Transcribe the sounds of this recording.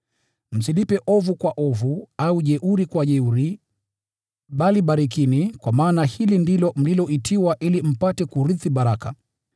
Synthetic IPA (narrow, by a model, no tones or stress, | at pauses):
m̩silipɛʔɔvukwaʔɔvuauʄɛʔuɾikwaʄɛuɾi | ɓaliɓaɾikinikwamaːnahilindilɔm̩lilɔʔitʰiwaʔilim̩patɛkuɾiθiɓaɾaka̰